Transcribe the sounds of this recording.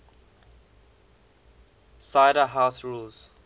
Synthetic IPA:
saɪɾəɦaʊsɹuːlz̥

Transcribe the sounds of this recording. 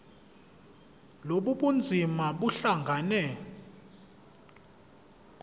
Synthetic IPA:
loɓuɓund͡zʱimaɓuɬaŋɡʱanɛ

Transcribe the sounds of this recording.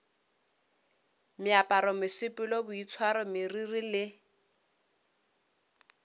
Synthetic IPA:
mɪapʼaɾɔmɪsɪpʼɪlɔbʊit͡sʰwaɾɔmɪririlɪ

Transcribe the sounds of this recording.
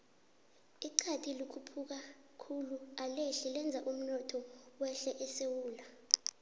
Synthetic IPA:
iǀʰatʰʼilikʰupʰuk̬a | kʰulualeɬilɛnd͡zʱaʔum̩nɔtʰɔwɛɬɛʔɛsewuːla

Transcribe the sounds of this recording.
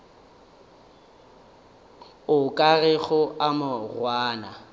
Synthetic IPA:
ʊkʼarɛɣʊamarwaːna̰

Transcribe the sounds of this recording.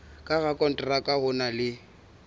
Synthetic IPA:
kʼaɣakʼɔn̩tʼrakʼahʊnalɪ

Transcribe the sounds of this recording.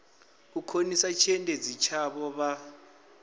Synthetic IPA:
ukʰonisat͡ʃʰɛndʱed͡zit͡ʃʰaβɔβa

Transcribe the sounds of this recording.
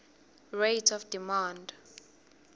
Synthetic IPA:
rejtʰɔfd̥imand

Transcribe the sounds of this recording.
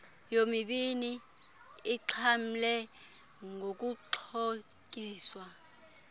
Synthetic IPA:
jomiɓini | iǁʰam̩lɛ | ŋʱok̬uǃʰo | k̬ʼiːswa

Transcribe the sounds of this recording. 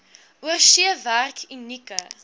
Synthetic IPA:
uərʃiəværkinːikə

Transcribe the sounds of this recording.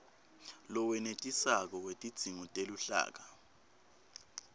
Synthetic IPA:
lɔwɛnetʼisak̬ɔwetʼid̥z̥ʱiŋɔtʼeluɬa̰ːk̬a

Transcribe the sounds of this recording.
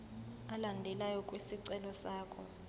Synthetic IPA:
alandʱɛlajɔkʼwisiǀɛlɔsaːkʰɔ

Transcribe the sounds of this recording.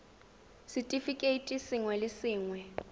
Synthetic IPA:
sitʼifikʼeitʼisiŋwɛlesiːŋwɛ

